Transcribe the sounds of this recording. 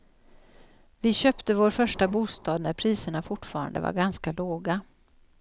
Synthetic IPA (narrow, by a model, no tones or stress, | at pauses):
vɪɕøːpt̪əvoːɾfœʂʈabuːst̪ɑːd̪næɾpʰɾiːsəɳafʊʈːfɑːɾa̰nd̪ə̰va̰ɾɡanskaloːɡa